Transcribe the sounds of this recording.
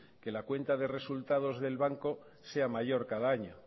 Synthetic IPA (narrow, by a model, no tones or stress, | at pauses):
ke̞lakwe̞nt̪aðe̞re̞sult̪að̞o̞zðe̞lβaŋko̞ | se̞amaʝo̞ɾkaðaaɲo